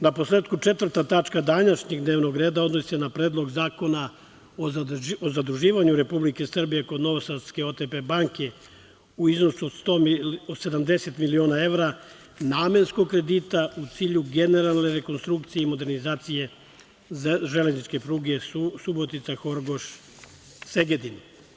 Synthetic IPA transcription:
naposleːt̪kut͡ʂe̞t̪ʋr̩t̪at̪at͡ʃkad̪anaʃɲe̞ɡd̪neʋno̞ɡɾe̞ːd̪aod̪nosi̥senapɾeːd̪lˠo̞ɡzaːko̞na | oozad̪ɾuʒiːʋaɲuɾe̞publike̞sr̩bije̞ko̞d̪no̞ʋosaske̞o̞t̪epe̞baŋke̞ | uizno̞suod̪st̪ood̪se̞d̪amd̪e̞se̞t̪milio̞ːnae̞ʋɾa | naːme̞nskoɡ̚kɾe̞d̪it̪aut̪siːʎuɡe̞ne̞ɾalˠne̞ɾe̞ko̞nst̪ɾukt̪sijeimo̞d̪e̞ɾnizaːt̪sije̞ | ʒeleznit͡ʃke̞pɾuːɡe̞subo̞t̪it̪saxo̞ɾɡo̞ʃ | se̞ɡed̪in

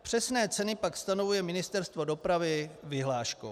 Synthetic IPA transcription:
pr̝̥ɛsnɛːt͡sɛnɪpakst̪ano̞vujɛmɪnɪst̪ɛɾst̪vo̞do̞pɾavɪvɪɦlaːʃko̰

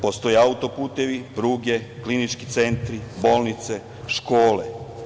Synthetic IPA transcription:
po̞st̪o̞jeaut̪o̞puːt̪e̞ʋipɾuːɡe̞klinit͡ʃkit̪se̞nt̪ɾibo̞ːlˠnit̪se̞ | ʃkoːlḛ

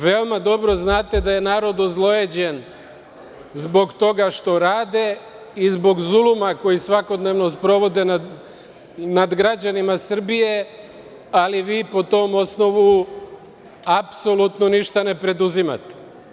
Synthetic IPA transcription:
ʋeomad̪o̞bɾo̞znaːt̪ed̪aje̞naːɾo̞d̪ozlˠo̞jed͡ʑe̞n | zbo̞ɡt̪o̞ɡaʃt̪o̞ɾaːd̪e̞ | izbo̞ɡzulumako̞jisʋako̞d̪neʋno̞spɾo̞ʋo̞d̪e̞na | nad̪ɡɾad͡ʑanimasr̩bije̞ | aliʋiːpo̞t̪o̞ːmo̞sno̞ʋu | apso̞lut̪noniʃt̪ane̞pɾe̞d̪uzima̰t̪e̥

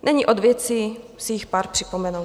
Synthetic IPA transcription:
nʔɛɲiʔo̞d̪vjɛt͡siːsɪjɪxpaːɾpr̝̥ɪpo̞mɛnuw

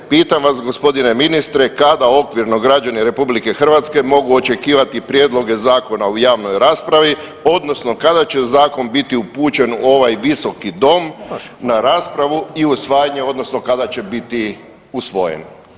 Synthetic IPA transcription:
piːt̪amʋasɡo̞spo̞d̪ine̞minist̪ɾe̞kad̪ao̞kʋiɾno̞ɡɾad͡ʒaniɾe̞publike̞xr̩ʋat̪ske̞mo̞ɡuo̞t͡ʃe̞kiːʋat̪ipɾjeːd̪lˠo̞ɡe̞zaːko̞naujaːʋno̞jɾaːspɾaʋi | o̞d̪no̞sno̞kad̪at͡ɕe̞zaːko̞nbit̪iupuːt͡ʃe̞no̞ʋajʋiso̞kid̪o̞mnaɾaːspɾaʋuiusʋaːjaɲe̞o̞d̪no̞sno̞kad̪at͡ɕe̞bit̪i | usʋo̞̰jḛn

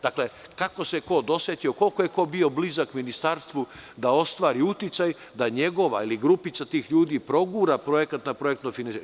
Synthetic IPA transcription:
d̪aklekako̞se̞ko̞d̪o̞sjʲet̪io̞ko̞lkojeko̞bio̞blizakminist̪aɾst̪ʋud̪ao̞st̪ʋaːɾiut̪it̪saj | d̪aɲe̞ɡo̞ʋailiɡɾupit̪sat̪iːxʎuːd̪iːpɾo̞ɡuːɾapɾojekat̪napɾo̞jek̚t̪nofinans

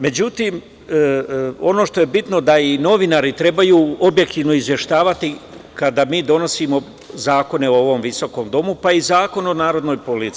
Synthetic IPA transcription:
me̞d͡ʑut̪iːm | o̞no̞ʃt̪o̞je̞bit̪no̞d̪aino̞ʋinaːɾit̪ɾe̞bajuːobje̞k̚t̪iːʋno̞izje̞ʃt̪aːʋat̪i | kad̪amiːd̪o̞no̞siːmo̞ | zaːko̞ne̞oo̞ʋo̞mʋiso̞ko̞ːmd̪o̞mupaizaːko̞nonaːɾo̞d̪no̞jpolit̪

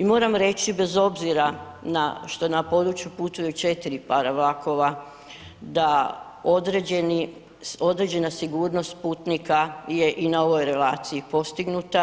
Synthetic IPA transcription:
imo̞ːɾamɾe̞t͡ʃibe̞zo̞bziɾa | naʃt̪o̞napo̞d̪ɾut͡ʃjuput̪ujut͡ʃe̞t̪iɾipaɾaʋlˠakʰo̞ʋa | d̪a | od̪ɾeeni | so̞d̪ɾe̞d͡ʑe̞nasiɡuːɾno̞st̪puːt̪nikaje̞ʔinao̞ʋo̞jɾe̞laːt̪siipo̞st̪iɡnut̪a

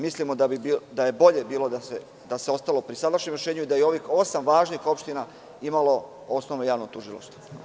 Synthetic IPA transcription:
mislimo̞d̪abibid̪aje̞bo̞ʎe̞biːlo̞d̪ase | d̪ase̞o̞st̪alopɾisad̪aɾʃɲemɾeʃe̞ːɲuid̪ajeo̞ʋiːxo̞samʋaːʒniːxo̞pʃt̪ina | imalo̞ | o̞snoʋnojaːʋnot̪uʒilˠo̰ʃt̪o̥

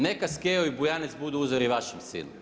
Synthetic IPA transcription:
nekaskeoibujanet̪sbud̪uuzoɾiʋaʃɛmsḭnṵ

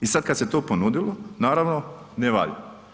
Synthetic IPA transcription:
isad̪̚kad̪se̞t̪oːponud̪ilˠonaːɾaʋno | neʋa̰lḭ

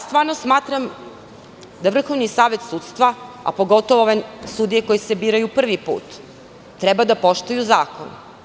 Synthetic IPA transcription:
st̪vʋaːɾnosmaːt̪ɾam | d̪aʋr̩xoʋnisaːʋe̞t̪suːt̪st̪ʋa | a̰po̞ɡo̞t̪oʋooʋesud̪ijeko̞jesebiːɾajupr̩ʋipṵːt̪ː | ɾɛbad̪apo̞ʃt̪ujuzaːko̰n

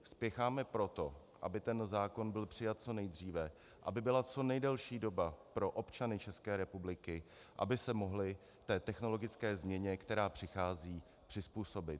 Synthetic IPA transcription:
spjɛxaːmɛpɾo̞t̪o̞ | ʔa̰bɪt̪ɛnzaːko̞nbɪlpr̝̥ɪjat̪̚t͡so̞nɛjd̪r̝iːvɛ | ʔa̰bɪbɪlat͡so̞nɛjdɛlʃiːdo̞bapɾo̞ʔo̞pt͡ʃanɪt͡ʃɛskɛːɾɛpublɪkɪ | ʔa̰bɪsɛmo̞ɦlɪ | t̪ɛːt̪ɛxno̞lo̞ɡɪt͡skɛːzmɲɛɲɛkt̪ɛɾaːpr̥ɪxaːziː | pr̝̥ɪspuːso̞bɪt̪

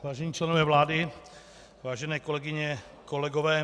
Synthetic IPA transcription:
vaːʒɛɲiːt͡ʃlɛnovɛːvlaːdɪ | vaːʒɛnɛːkolɛɡɪɲɛ | kolɛɡovɛː

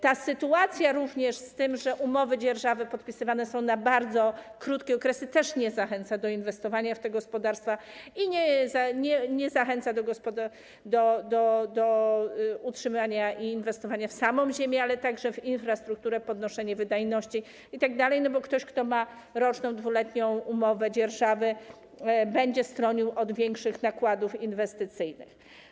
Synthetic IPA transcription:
t̪asɘt̪uat̪sʲjaɾuvɲɛʂst̪ɘmʐɛʔumɔvɘd͡ʑɛɾʐavɛpɔt̪pʲisɘvanɛsɔ̃w̃nabaɾd̪zɔkɾut̪kʲɛɔkɾɛsɘt̪ɛʂɲɛzaxɛnt̪sad̪ɔinvɛst̪ɔvaɲaft̪ɛɡɔspɔd̪aɾst̪faiɲɛzaɲɛɲɛzaxɛnt̪sad̪ɔɡɔspɔd̪a | d̪ɔd̪ɔd̪ɔ | utʂɘmvaɲaiːnvɛst̪ɔvaɲafsamɔ̃w̃ʑemʲjɛalɛt̪aɡʐɛvinfɾast̪ɾuk̚t̪uɾɛpɔd̪nɔʂɛɲɛvɘd̪ajnɔɕt͡ɕi | it̪aɡd̪alɛjnɔbɔkt̪ɔɕkt̪ɔma | ɾɔt͡ʂnɔ̃w̃d̪vulɛt̪ɲɔ̃w̃umɔvɛd͡ʑɛɾʐavɘ | bɛɲd͡ʑɛst̪ɾɔɲiwʔɔd̪vʲjɛŋkʂɘxnakwad̪ufinvɛst̪ɘt̪sɘjnɘ̰x

